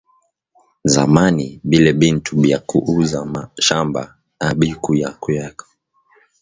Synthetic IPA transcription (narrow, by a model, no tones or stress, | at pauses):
zamaniɓilɛɓintuɓiakuʔuzamaʃamba̰ | aɓikujakujɛkḁ